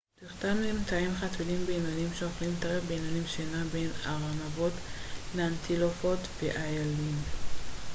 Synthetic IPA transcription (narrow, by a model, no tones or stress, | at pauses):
t̪iχt̪anlimtaimχatvilimbeinonimʃeoχlimt̪aʁefbeinanimʃenabenaʁamavo̞tleant̪ʰilofotveʔajalim